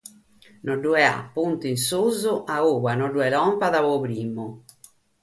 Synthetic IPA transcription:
nɔɖːuɛa̰pːunt̪insuzuʔaɣuɣanɔɖːuɛlɔmpaðaβɔpɾiːmːʊ

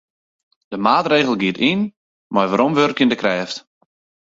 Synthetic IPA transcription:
d̥əmaːtreːɣəlˠɡiətin | marʋaɾɔmʋørkjəndəkrɛːft

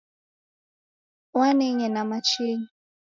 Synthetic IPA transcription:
wanɛɲɛnamat͡ʃiɲi

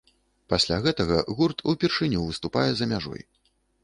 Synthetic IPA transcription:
pasʲlʲaɣɛt̪ɐɣɐɣurt̪ʰupʲirʂɨnʲuvɨst̪upajɛzɐmʲaʐɔ̰j

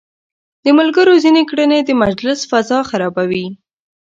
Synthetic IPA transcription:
d̪̥əmʊlɡəɾozinekɽəned̪əmad͡ʒlɪsfazɑxaɾɑbawi

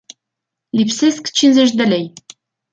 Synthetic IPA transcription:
lʲipseskt͡ɕinzĕʃ̬d̪ɘ̆lʲej

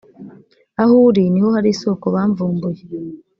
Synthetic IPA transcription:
ahuːɾiniho̞haɾiso̞ːkoβaːɱvuːmbuje

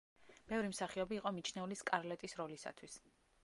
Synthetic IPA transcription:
b̥ɛvɾimsaχiɔbiːqʼɔmit͡ʃʰnɛuliskʼaɾlɛt̪ʼisɾɔlisa̰t̪ʰwis

